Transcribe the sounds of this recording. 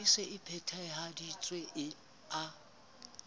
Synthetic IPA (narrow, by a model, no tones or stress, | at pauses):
iseʔɪpʰɛtʰaɪɦadit͡sʼweʔɪ | a